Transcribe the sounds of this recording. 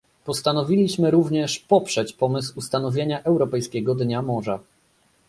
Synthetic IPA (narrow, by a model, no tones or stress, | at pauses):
pɔst̪anɔvʲilʲiɕmɘɾuvɲɛʂpɔpʂɛt͡ɕpɔmɘswust̪anɔvʲjeɲaʔɛwɾɔpɛjskʲɛɡɔd̪ɲamɔʐa